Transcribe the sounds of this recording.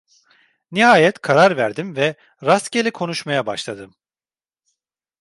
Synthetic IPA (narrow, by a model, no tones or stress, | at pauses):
nihaːjɛt̪kʰaɾaɾvæɾd̪imvɛ | ɾast̪cʲelʲikʰo̞nuʃmajabaʃlˠad̪ɯm